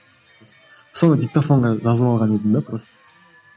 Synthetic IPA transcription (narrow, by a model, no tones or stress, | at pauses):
so̞nəd̪ʲik̚t̪afo̞ɴʁɑʒɑzəβɑlˠʁɑned̪ɪnd̪apɾost̪ə̥